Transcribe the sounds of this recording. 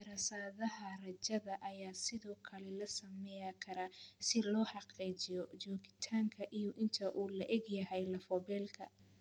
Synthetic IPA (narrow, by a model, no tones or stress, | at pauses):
ɾɐsaːðɐɦɐrɐt͡ʃɐðɐʔɐjaːsɪðɔːkʰɐlɛlɐsɐmɛjakʰɐɾaːsɪlɔːħɑqiːt͡ʃɪjɔt͡ʃɔːɣɪt̪ʰaːŋkʰɐʔijɔʔɪnt̪ʰɐʔuːlɐʔɛɡjɐhɛjlɐfɔbɛːlkʰɐ̰